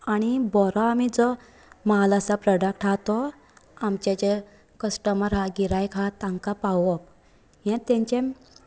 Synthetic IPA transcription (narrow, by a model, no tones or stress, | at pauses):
aɽ̃ibɔɾɔamid͡zɔ | malasapɾɔɖəkʈat̪ɔ | amt͡ɕat͡ɕe | kəsʈəməɾɦaɡiɾajkʰat̪ãŋkapawɔp̚ | jɛ̃t̪ẽɲt͡ɕẽ